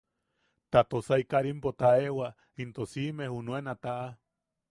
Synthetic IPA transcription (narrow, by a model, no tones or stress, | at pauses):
t̪at̪osaikaɾimpot̪aewa | int̪osimehunũenat̪aʔa